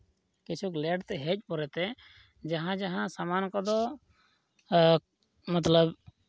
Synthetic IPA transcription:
kit͡ʃʰuklɛɖt̪ɛɦɛc̚ˀpɔɾɛt̪ɛ | d͡ʒaɦãd͡ʒaɦãsamankɔd̪ɔ | mat̪ləb

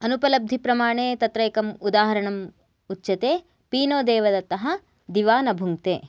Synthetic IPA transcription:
ɐnupɐlɐb̚d̪ʱipɾɐmaːɳeːt̪ɐt̪ɾɐjkɐmud̪aːɦɐɾɐɳɐm | utːt͡ʃɐt̪eː | piːnoːd̪ɛːʋɐd̪ɐt̪ɐɦɐ | d̪iʋaːnɐbʱuŋt̪ḛː

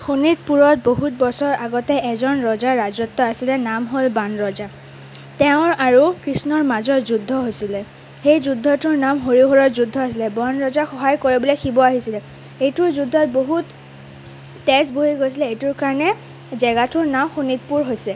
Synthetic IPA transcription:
xunit̚puɹɔt̚boɦut̚bɔsɔɹaɡɔtɛɛzɔnɹɔzaɹːazɔtːɔasilɛnamɦolbanɹɔza | tɛʊ̃ɹaɹukɹisnɔɹmazɔɹzudʱːɔɦojsilɛ | xejzudʱːɔtʊɹnamɦoɹiɦoɹɔzudʱːɔasilɛbɔnɹɔzaxɔɦajkoɹibulɔkʰibɔaɦisilɛ | ejtʊɹzudʱːɔt̚boɦut | ɛsboɦiɡojsilɛejtuɹkaɹɔnɛ | zɛɡatʊɹnamxunit̚puɹɦojsɛ

